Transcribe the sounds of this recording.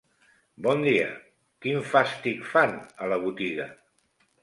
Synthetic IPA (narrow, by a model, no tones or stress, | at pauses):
bɔnd̪iə̰ | kiɱfast̪ikfanələβut̪iɣə